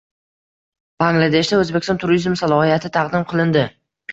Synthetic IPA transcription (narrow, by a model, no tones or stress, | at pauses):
b̥aŋɡlˠad̪e̞ʃd̪aɵzbekʲɪsɒnt̪ʰʊɾizmsalˠɒhijat̪ʰɪt̪ʰɑqd̪ɪmqʰɨlˠɪnd̪ɪ